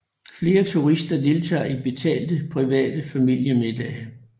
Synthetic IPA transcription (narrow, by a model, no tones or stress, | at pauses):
fle̝ːɐt͡sʰuʁisd̥ɐd̥e̝lt͡sʰɑ̰̈ːib̥e̝t͡sʰɛ̰ːld̥əpʰʁiʋɛ̰ːd̥əfæmil̰jəmed̥ɛː